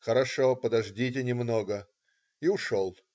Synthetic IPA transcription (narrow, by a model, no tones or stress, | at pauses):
xəɾɐʂopəd̪ɐʐdʲit̬ʲɪnʲɪmnoɡə | iʊʂolˠ